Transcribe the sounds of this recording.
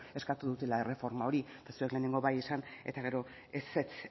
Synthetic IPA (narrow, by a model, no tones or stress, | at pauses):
e̞skat̪uðut̪e̞lae̞re̞fo̞ɾmao̞ɾiet̪asue̞kle̞ːneŋɡo̞βajesane̞̰t̪aɣ̞e̞ɾo̞ | eset͡s